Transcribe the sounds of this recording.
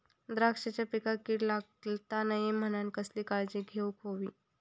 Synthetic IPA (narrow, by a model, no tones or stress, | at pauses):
d̪ɾakʂet͡ɕapikakiːʈlaɡlt̪anaɦim̤ənankəsliːkaɾd͡ʑiɡʱeukɦoʋiː